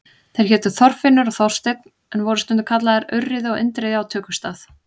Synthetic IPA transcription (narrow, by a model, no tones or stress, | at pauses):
θejɾ̥çɛːt̪ʏθɔr̥fɪnːʏɾɔɣθɔwr̥st̪ɪt̪̚n | ɛnvɔɾʏst̪ʏnt̪ɪ̥kʰat̪laðɪɾœrːɪðɔɣɪ̰nt̪ɾɛðɪawt̪ʰœːkʏst̪aːθ